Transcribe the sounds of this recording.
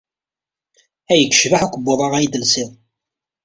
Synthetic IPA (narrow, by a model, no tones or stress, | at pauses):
æjəkʷːə̥ʃvaħukʷəbːoðˤɑʁæjid̪əlsɪðˤ